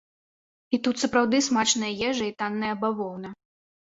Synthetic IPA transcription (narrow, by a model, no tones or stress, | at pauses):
it̪ut̪sɐpɾawd̪ɨsmat͡ʂnɐjɐjɛʐɐit̪anːɐjɐɐbavɔwnɐ